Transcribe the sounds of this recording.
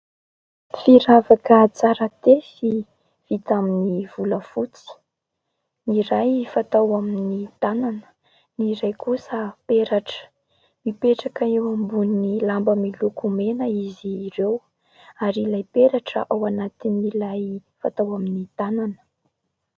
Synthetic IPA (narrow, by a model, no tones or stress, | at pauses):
fiɾavakət͡saɾət̪esi | v̥it̪aminiv̥uləfut͡si̥ | niɾajfat̪awaminit̪ananə̥ | niɾajkusəpeɾaʈ͡ʂə̥ | mipeʈ͡ʂakaewambunilambəmilukumenəiziːrew | aɾilajpeɾaʈ͡ʂə̰ʔawanat̪inilajfat̪awaminit̪ananə̥